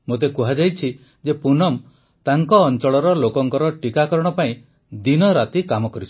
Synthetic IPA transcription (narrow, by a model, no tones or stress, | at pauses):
mot̪ekuɦad͡ʒajt͡ʃʰi | d͡ʒepunɔm | t̪aŋkɔːnt͡ʃɔɭɔɾɔlokɔŋkɔɾɔʈikakɔɾɔɽ̃ɔpaĩ | d̪inɔɾat̪ikamɔkɔɾit͡ʃʰu̥